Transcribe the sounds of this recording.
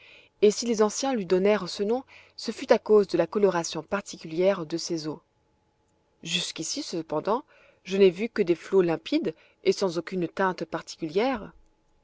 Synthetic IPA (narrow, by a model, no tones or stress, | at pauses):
esilezɑ̃sjɛ̃lɥid̪ɔnɛʁsənɔ̃ | səfyt̪akozd̪əlakɔlɔʁasjɔ̃paʁt̪ʰikʲyljɛʁd̪əsezo | ʒyskʲisisəpɑ̃d̪ɑ̃ | ʒənɛvykəd̪eflolɛ̃pid̪ | esɑ̃zokʲynt̪ɛ̃t̪paʁt̪i̥kʲyljɛʁ